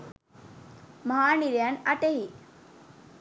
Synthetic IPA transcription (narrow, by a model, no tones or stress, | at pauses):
məɦaniɾjanaʈeɦi